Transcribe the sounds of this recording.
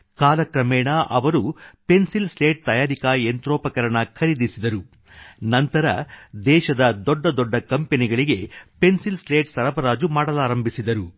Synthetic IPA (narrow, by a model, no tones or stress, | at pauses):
kaːlɐkɾɐmɛːɳɐʔɐʋɐɾupe̞nsilsleːʈ̚t̪ɐjaːɾikaːent̪ɾɔːpɐkɐɾɐɳɐkʰɐɾid̪isid̪ɐɾu | nɐnt̪ɐɾɐ̰d̪ɛːʃɐd̪ɐd̪ɔɖːɐd̪ɔɖːɐkɐmpeniɡɐɭiɡepe̞nsilsleːʈsɐɾɐbɐɾaːd͡ʒumaːɽɐlaːɾɐmbʱisid̪ɐɾu